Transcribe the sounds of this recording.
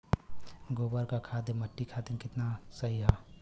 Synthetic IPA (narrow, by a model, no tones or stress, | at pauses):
ɡoːbəɾkakʰad̪eməʈːikʰat̪ɪnkɪt̪nasəɦiɦa